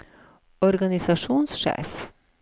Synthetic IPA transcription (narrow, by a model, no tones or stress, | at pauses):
ɔɾɡɑnɪsɑʃuːnsʃḛːf